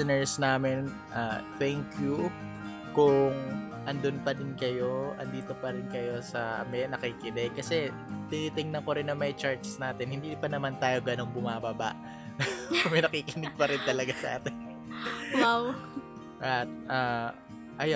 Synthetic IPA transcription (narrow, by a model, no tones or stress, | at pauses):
nɛɹsnaːmɪn | ʔat̪ɛŋkju | kʊŋ | ʔɐnd̪ʊnpɐd̪ɪnkɐjo̞ʔɐ̰nd̪iːt̪o̞pɐɾɪnkɐjo̞sɐʔɐ̰mɛnɐkikɪd̪ɛkːɐsɛ | t̪ɪniːt̪ɪŋnɐŋkoɾɪnːɐŋmɐjt͡ʃaɹt̪snaːt̪ɛnhɪnd̪iːpɐnɐmant̪aːjo̞ɡɐno̞ŋbʊmaːbɐba̰ʔ | mɐjnɐkiːkɪnɪɡ̚pɐɾɪnt̪ɐlɐɡasɐʔa̰ːt̪ɛn | maw | ʔat̪̚ʔa | ʔɐj